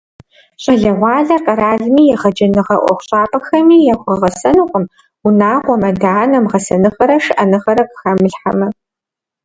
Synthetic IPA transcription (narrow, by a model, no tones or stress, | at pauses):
ɕʼɐɮɐʁʷɑːɮɐrqʼɐɾaːɮmiːjɛʁɐd͡ʒɐnɨʁɐʔʷɔ̰χʷɕʼaːpʼɐxɐmiːjɛxʷɐʁɐsɐnɨqʷʼəm | ʊnaːʁʷɔmɐdaːnɐmʁɐsɐnɨxɐɾɐʂɨʔɐnɨʁɐɾɐqʼɨ̥xɐmɨɬħa̰mɐ